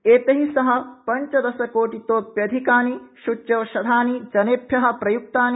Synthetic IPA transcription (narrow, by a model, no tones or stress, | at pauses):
eːt̪ɐɦisɐɦɐ̆pɐɲt͡ʃɐd̪ɐsɐkoːʈit̪oːpjɐd̪ʱikaːniʃut͡ʃjɐʋʃɐd̪ʱaːnid͡ʒɐneːpʰjɐɦɐ̆pɾɐjuk̚t̪aːni